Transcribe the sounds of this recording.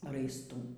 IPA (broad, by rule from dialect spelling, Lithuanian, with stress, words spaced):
rɐɪsˈtuː